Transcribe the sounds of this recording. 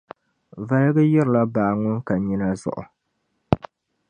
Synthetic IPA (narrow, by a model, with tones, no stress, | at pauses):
va˦lɡɨ˦jɛ˦ɾɨ˨la˦baː˨ŋʊ˦nka˨ɲi˦na˦zʊ̰˨ʔʊ̰˨